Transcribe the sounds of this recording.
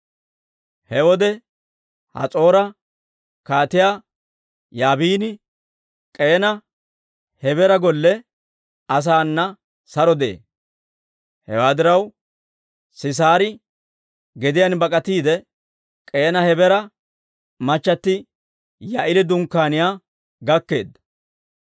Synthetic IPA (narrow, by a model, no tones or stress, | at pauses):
hɛwɔd̪ɛ | hɐ̰t͡sʼo̞ːɾɐ | kaːt̪ɪjaː | jaːbiːnɪ | kʼe̞ːnɐ | hɛbɛɾɐɡɔlːɛ | ɐs̬aːnːɐ | sɐɾɔd̪ḛː | hɛ̰waːd̪ɪɾɐw | sɪs̬aːɾɪ | ɡɛd̪ɪjanbɐkʼɐt̪iːd̪ɛ | kʼe̞ːnɐhɛbɛɾɐ | mɐt͡ʃːɐt̪ːɪ | jaʔɪlɪd̪ʊŋkːaːnɪjaː | ɡɐkːe̞̰ːd̪ːɐ